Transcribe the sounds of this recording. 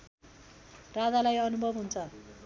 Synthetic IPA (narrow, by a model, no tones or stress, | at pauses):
rad͡zalajʌnubʱʌbɦunt͡sʰʌ